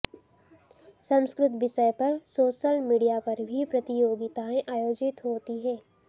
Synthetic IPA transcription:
sɐ̃mskɾʊt̪ʋɪʃəjpɐɾsoːʃəlmiːɖijapɐɾbʱipɾɐt̪ijoːɡɪt̪aẽʔaːjoːd͡ʒɪt̪ɦoːt̪iɦɛː

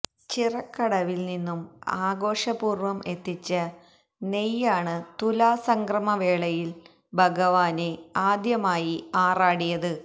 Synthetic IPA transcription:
t͡ɕirɐkːɐɽɐʋilninːumaːɡo̞ːʂɐbuːrʋɐme̞t̪ːit͡ɕːɐ | nejːaːɳɨt̪ulaːsɐŋɡrɐmɐʋe̞ːɭɐjil | bʱɐɡɐʋaːne̞aːd̪jɐmaːjiaːraːɽijɐðɨ

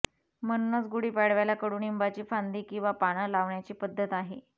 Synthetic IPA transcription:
m̤ənunət͡sɡuɽiːpaɽʋajlakəɽuːnimbat͡ɕiːfand̪iːkĩw̃ʋapaɽ̃əlaʋɳjat͡ɕiːpəd̪ʱːət̪aɦe

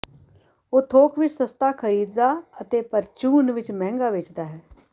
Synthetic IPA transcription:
oːt̪ʰoːkʋɪt͡ʃsəst̪aːkʰəɾiːd̪d̪aːət̪eːpəɾt͡ʃuːnʋɪt͡ʃmɛ̃ːŋɡaːʋɪt͡ʃd̪aːɦɛː

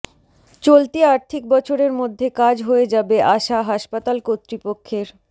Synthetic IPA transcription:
t͡ɕolt̪iaɾt̪ʰik̚bɔt͡ɕʰoɾeɾmod̪ʱːekad͡ʑɦoed͡ʑabeʔaʃaɦaʃpat̪alkot̪ːɾipokʰːeɾ

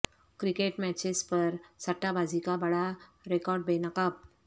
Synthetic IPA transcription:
kɾikeʈmɛt͡ɕespəɾsəʈːabʱad͡zikabəɽa | ɾekɔɾɖbenəkap̚

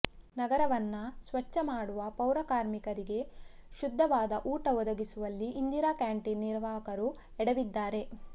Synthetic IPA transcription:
nɐɡɐɾɐʋɐnːɐsʋɐt͡ʃːɐmaːɽuʋɐpɐwɾɐkaːɾmikɐɾiɡe̞ | ʃud̪ʱːɐʋaːd̪ɐʔuːʈɐɔd̪ɐɡisuʋɐlːiʔːnd̪iɾakaːɳʈinːiɾʋaːɦɐkɐɾu | ɛɽɐʋid̪ːaːɾe̞

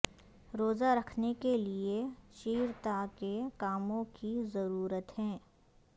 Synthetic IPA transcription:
ɾoːzaɾɐkʰnekelieʃiːɾt̪akekaːmõkizɐɾuːɾət̪ɦɛ̃ː

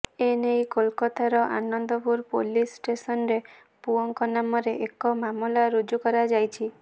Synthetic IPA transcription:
enejkolkɔt̪ʰaɾɔʔa̰nɔnd̪ɔpuɾpolisʈesɔnɾe | puɔŋkɔnamɔɾeʔekɔmamulaɾud͡ʒukɔɾad͡ʒajt͡ʃʰi

